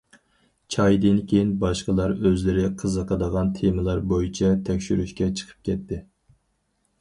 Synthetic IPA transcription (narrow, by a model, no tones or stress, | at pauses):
t͡ʃʰɑjd̪ɨnkʲʰejinbɑʃqəlˠɑɾøzlɪɾɪqʰəzəqʰəd̪əʁɑnt̪ʰeməlˠɑɾbojit͡ʃʰɛt̪ʰɛkʲʃyɾyʃkʲɛt͡ʃʰə̥qʰə̥p̚kʲɛt̪ːɪ